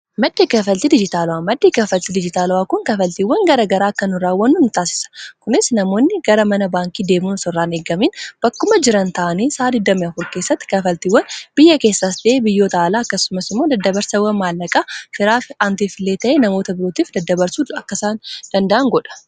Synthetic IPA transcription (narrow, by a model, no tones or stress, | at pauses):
mɐd̪ːeːkɐfɐlt̪ɪd̪ɪd͡ʒɪt̪aːlʊwaːmɐd̪ːeːkɐfɐlt̪ɪd̪ɪd͡ʒɪt̪aːlʊwaːkʊŋkɐfɐlt̪iːwːɐŋɡɐɾɐːɡɐɾaːkːɐnʊɾaːwːɐnːunʊt̪aːsɪ̥sɐ̥kʊnɪsnɐmo̞ːnːɪɡ̥ɐɾɐmɐnɐbaːŋkiːd̪e̞ːmuːnʊsɔrːaːneːɡɐmiːnb̥ɐkːʊmɐd͡ʒɪɾɐnt̪ɐʔɐniːsaːd̪ɪd̪ːɐmɪɐfʊɾke̞ːsːɐt̪ːɪ̥kɐfɐlt̪iːwːɐnb̥ɪjːɐke̞ːsːasd̪ɪʔeːbɪjːo̞ːt̪aːlaːɐkːɐsʊmɐsɪmːoːd̪ɐd̪ːɐbɐɾsɐwɐnmaːlːɐkʼafɪɾaːfant̪iːfɪlːeːt̪ɐʔeːnɐmo̞ːt̪ɐbɪɾoːt̪iːfd̪ɐd̪ːɐbɐɾsuːɐkːɐsaːnd̪̥ɐnd̪ɐʔɐŋɡɔᶑɐ̥